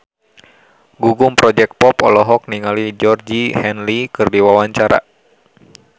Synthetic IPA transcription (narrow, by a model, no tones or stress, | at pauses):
ɡuɡumpɾɔd͡ʒɛk̚pɔpɔlɔɦɔk̚niŋalid͡ʒɔrd͡ʒihɛnlikɨrdiwawaɲt͡ʃaɾa̰